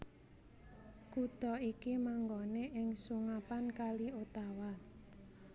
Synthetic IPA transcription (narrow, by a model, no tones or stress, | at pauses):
kud̪̥ɔikimaŋɡoneʔɪŋsuŋapankaliot̪awa